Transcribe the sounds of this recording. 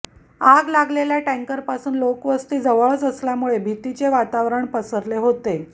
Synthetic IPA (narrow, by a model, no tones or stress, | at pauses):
aɡlaɡleljaʈẽŋkəɾpasuːnlokʋəst̪iːd͡zəʋəɭət͡səsljamuɭebʱit̪it͡seʋat̪aʋɾəɳpəsəɾleɦot̪e